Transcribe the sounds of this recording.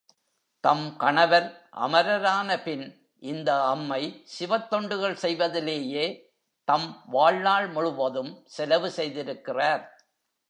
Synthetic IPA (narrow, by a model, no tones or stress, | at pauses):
t̪ɐmkɐɳɐʋɐɾʔɐ̰mɐɾɐɾaːnɐpɪn | ʔɪnd̪ɐːmːɐɪsɪʋɐt̪ːɔɳɖɯɣɐɭsɛjʋɐðɪleːjeː | t̪ɐmʋaːɻnaːɭmʊɻɯʋɐðɯmsɛlɐʋɯsɛjðɪɾɯkːɪraːɾ